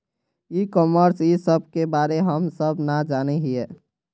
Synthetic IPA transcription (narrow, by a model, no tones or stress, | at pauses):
ikɔməɾsisəb̚ʱkebaɾeɦəmsəbnad͡ʒanɛɦie